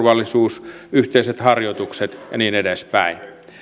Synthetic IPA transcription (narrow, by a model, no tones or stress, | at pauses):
ʋɑlːisuːsyht̪eiset̪hɑrjot̪ukset̪jɑ̰niːnedespæ̰in